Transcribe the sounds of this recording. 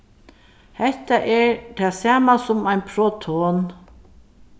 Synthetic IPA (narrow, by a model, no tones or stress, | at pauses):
hɛht̪aʔɛɹt̪ʰaːsaːmasʊmajnpʰɾoːt̪ʰoːn